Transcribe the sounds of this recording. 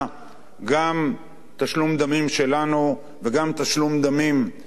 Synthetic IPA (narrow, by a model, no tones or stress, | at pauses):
ɡam | t̪aʃlumd̪amimʃe̞lanu | veɡamt̪aʃlumd̪amim